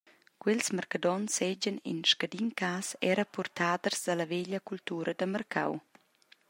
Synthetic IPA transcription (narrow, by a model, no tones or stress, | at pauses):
kwɛlsmərkad̪ɔnsɛd͡ʒənḭnʃkad̪inkaːsɛɾəpurt̪ad̪ərzdalɐvɛʎəkult̪uːɾəd̪əmərkʰa̰w